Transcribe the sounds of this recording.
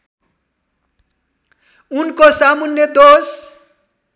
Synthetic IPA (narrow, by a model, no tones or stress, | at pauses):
unkosamunjʌd̪os